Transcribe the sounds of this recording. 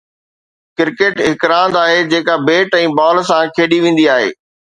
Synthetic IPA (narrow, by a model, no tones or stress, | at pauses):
kɪɾkeːʈɦɪkɾãːnd̪aːɦed͡ʑeːkabeːʈɛ̃ːbɔːlsãkʰeːɗiʋẽːn̆d̪iaːɦḛː